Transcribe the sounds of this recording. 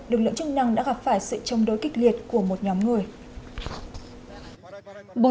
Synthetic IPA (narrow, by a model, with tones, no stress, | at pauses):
lɨ˨˩k̬̚lɨ̰˧˨ŋt͡ɕɨ˦˥k̚na˧ŋɗa̰ː˧˥ɣa˨˩p̚faː˧˩jsɨ̰˧˨t͡ɕə˧wŋ͡mɗo̰˨˦jkï˦˥k̟̚li˨˩ət̚ku˧˩əmo˨˩t̚ɲɔ˨˦mŋɨ˨˩əj | ɓo˨